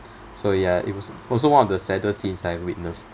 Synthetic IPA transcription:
sojaḭt̚wɔsɔls̬owãnɔvdəsɛdəsĩnsaɛvwit̚nəs

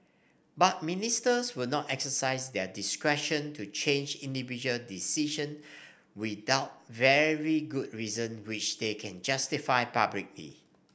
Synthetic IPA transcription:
bat̚ministəswɪlnɔtɛksəsaɪsdɛdiskɹɛʃə̃ntʰut͡ʃʰẽnd͡ʒĩndivid͡ʒuəldisiʃə̃n | widaʊt̚vɛɹiɡud̚ɹizə̃nwɪt͡ʃdekʰɛ̃nd͡ʒastifaɪpablik̚lḭ

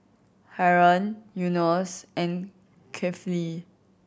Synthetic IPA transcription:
hɛɹɔ̃njunɔsɛ̃n | kʰɛfli

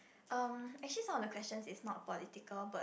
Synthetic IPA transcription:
ʔãmɛk̚t͡ʃəlisãmɔdəkwɛst͡ʃə̃nsɪsnɔt̚pɔlitikəlba

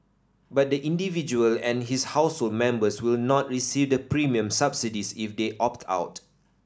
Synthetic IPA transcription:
bat̚dəʔĩndivid͡ʒuəlɛ̃nɦishaʊshold̚mɛ̃mbəswilnɔt̚ɹisivdəpɹimiə̃msapsidisifdeʔɔp̚tʰa̰ʊt

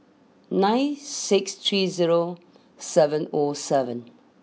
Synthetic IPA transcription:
nãɪ̃nsɪkst̪ʰɹiːziɹo | sɛvə̃nɔsɛvə̃n

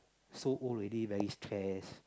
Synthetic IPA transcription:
soʔɔlɹɛdivɛɹistʰɹɛs

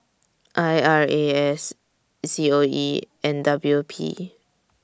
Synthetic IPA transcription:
ʔajaɹeɛs | sioi | ɛ̃ndablupʰḭ

